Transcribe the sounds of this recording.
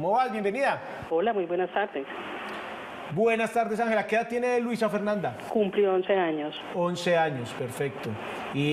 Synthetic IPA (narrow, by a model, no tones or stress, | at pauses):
moβalbjembe̞niða | olamujbwenast̪aɾd̪es | bwe̞nast̪aɾdesaŋhe̞lakeðat̪je̞nelwisafeɾnãnd̪a | kumplionseaɲos | onse̞aɲospeɾfe̞k̚t̪o | i